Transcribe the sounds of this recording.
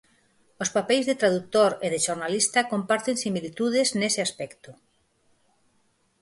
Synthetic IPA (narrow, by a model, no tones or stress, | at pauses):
ospapɛjzðet̪ɾaðuk̚t̪oɾeðeʃoɾnalist̪akompaɾt̪ensimilit̪uð̞eznesɪaspɛkt̪ʊ